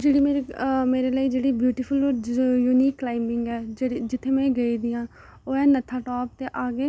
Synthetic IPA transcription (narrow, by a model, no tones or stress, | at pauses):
d͡ʒeːɽiːmeːɾimeːɾeːləiːd͡ʒeːɽiːbjuːʈiːpʰʊloːjuːniːkːlaːɪmɪ̃ŋɡɛːd͡ʒd͡ʒɪt̪ʰːeːmɛ̃ːɡəiːd̪iːãː | oːɛːnət̪ʰːaːʈɔːp̚t̪eːʔaːɡeː